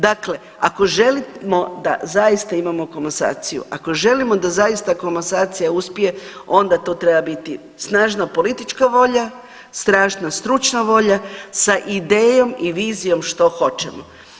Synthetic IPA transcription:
d̪akle̞ | a̰ko̞ʒe̞limo̞d̪a̰zaist̪aimamo̞komasa̰ːt̪sijṵʔako̞ʒe̞limo̞d̪azajist̪akomasaːt̪sijauspije̞o̞nd̪at̪oːt̪ɾe̞babit̪i | snaːʒnapo̞lit̪it͡ʃkaʋo̞ʎa | st̪ɾaːʒnast̪ɾut͡ʃnaʋo̞ʎasaʔid̪eːjo̞miʋiːzijo̞mʃt̪o̞xo̞t͡ʃemo

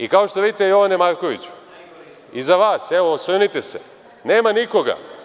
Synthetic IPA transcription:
ikao̞ʃt̪o̞ʋiːd̪it̪ejo̞ʋanemaɾko̞ʋit͡ɕu̥ | izaʋaːseʋosenit̪ese | neːmaniko̞ɡa̰

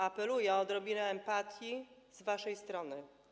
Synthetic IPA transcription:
apɛlujɛɔɔd̪ɾɔbʲinɛɛmpat̪ʲjizvaʂɛjst̪ɾɔnɘ

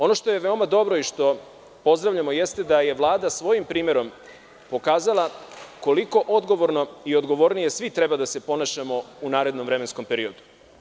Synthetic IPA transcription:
o̞no̞ʃt̪ojeʋe̞omad̪o̞bɾo̞iʃt̪o̞ | po̞zd̪ɾaʋvʎamo̞jest̪ed̪aje̞ʋlˠaːd̪asʋo̞jimpɾiːme̞ɾo̞m | po̞kaːzalˠako̞liko̞ʔod̪ɡo̞ʋo̞ɾno̞io̞d̪ɡo̞ʋo̞ɾnije̞sʋit̪ɾebad̪ase̞po̞naʃamo̞unaːɾe̞d̪nomʋɾe̞mensko̞mpeɾio̞d̪u̥

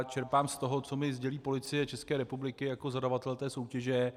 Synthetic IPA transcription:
t͡ʃɛɾpaːmst̪o̞ɦo̞t͡so̞mɪzɟɛliːpo̞lɪt͡sɪjɛt͡ʃɛskɛːɾɛpublɪkɪjako̞zadavat̪ɛlt̪ɛːso̞wcɛʒɛ

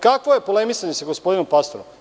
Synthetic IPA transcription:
kakʋo̞je̞polemisaɲesaɡospo̞d̪inompast̪oɾom

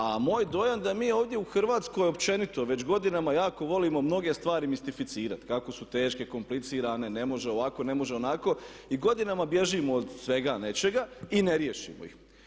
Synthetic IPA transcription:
amoːjd̪o̞jand̪amiːoːʋd̪ʲjeuxr̩ʋaːt̪sko̞jopt͡ʃe̞nit̪o̞ʋe̞t͡ɕɡo̞d̪inamajaːko̞ʋo̞liːmo̞mno̞ɡe̞st̪ʋaːɾimist̪ifit̪siːɾat̪kako̞sut̪e̞ːʃke̞ko̞mplit̪siːɾane̞ne̞mo̞ʒe̞o̞ʋako̞ne̞mo̞ʒeo̞nako̞ | iɡo̞d̪inamabje̞ʒimoːd̪sʋe̞ɡane̞t͡ʃe̞ɡaineɾje̞ʃḭmo̰ḭx

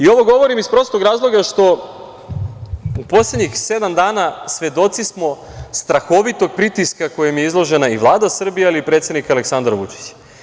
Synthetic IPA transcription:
io̞ʋo̞ɡo̞ʋo̞ɾimispɾo̞st̪oɡɾaːzlˠo̞ɡaʃt̪o̞ | upo̞slʲed̪ɲixse̞d̪amd̪aːnasʋe̞d̪o̞t̪sismo̞ | st̪ɾaxo̞ʋit̪o̞ɡ̚pɾit̪iskako̞jemijeizlˠo̞ʒe̞naiʋlˠaːd̪asr̩bijealiipɾet̪se̞d̪nikaleksand̪ɾʋṵt͡ʃi̥t͡ɕ

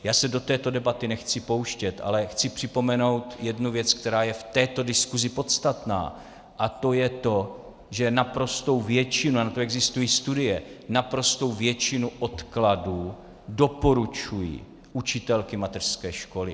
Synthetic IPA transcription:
jaːsɛdo̞t̪ɛːt̪o̞dɛbat̪ɪnɛxt͡sɪpo̞wʃcɛt̪ʔa̰lɛxt͡sɪpr̝̥ɪpo̞mɛno̞wt̪jɛdnuvjɛt͡sk̚t̪ɛɾaːjɛft̪ɛːt̪o̞dɪskuzɪpo̞t̪st̪at̪na̰ː | ʔat̪o̞jɛt̪o̞ | ʒɛnapɾo̞st̪o̞wvjɛt͡ʃɪnuanat̪o̞ɛɡzɪst̪ujiːst̪udɪjɛnapɾo̞st̪o̞wvjɛt͡ʃɪnuʔo̞t̪kladuː | do̞po̞ɾut͡ʃujḭː | ʔut͡ʃɪt̪ɛlkɪmat̪ɛr̥skɛːʃko̞lɪ̰

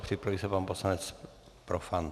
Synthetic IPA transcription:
xt̪ipɾoisɛpamposlanɛt͡s | pɾofan

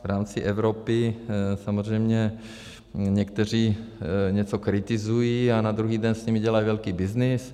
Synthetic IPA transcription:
vɾaːmt͡sɪʔɛvɾopɪsamozrɛjmɲɛ | ɲɛkt̪ɛr̝iːɲɛt͡sokɾɪt̪ɪzujianad̪ɾuɦiːdɛnsɲɛmɪɟɛlajivɛlkiːbɪznɪs

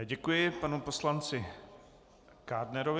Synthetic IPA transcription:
ɟɛkujɪpanupo̞slant͡sɪ | kaːdnɛɾovɪ

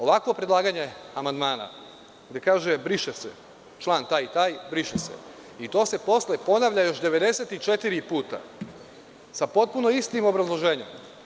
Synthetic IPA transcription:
oʋakʋo̞pɾed̪lˠaːɡaɲe̞amand̪maːna̰ | ɡd̪e̞kaːʒe̞bɾiʃesḛ | t͡ʃlˠaːnt̪aːjit̪aːjbɾiʃesḛ | it̪o̞ːse̞po̞slepo̞naʋʎʲajo̞ʃd̪e̞ʋe̞d̪e̞se̞t̪it͡ʃe̞t̪iɾipuːt̪a̰ | sapo̞t̪̚puno̞ist̪imo̞bɾazlˠo̞ʒe̞ːɲem

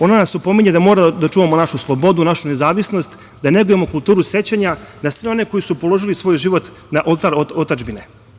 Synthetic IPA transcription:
o̞nanasupo̞miɲed̪amo̞ɾad̪at͡ʂuːʋamonaʃuslˠobo̞d̪unaʃunezaːʋisno̞st̪ | d̪ane̞ɡuje̞mo̞kulˠt̪uːɾuse̞t͡ɕaɲanasʋeo̞ne̞ko̞jisupo̞lˠo̞ʒilisʋo̞jʒiʋo̞t̪ | naʔolˠt̪aɾoot̪ad͡ʒbine̞

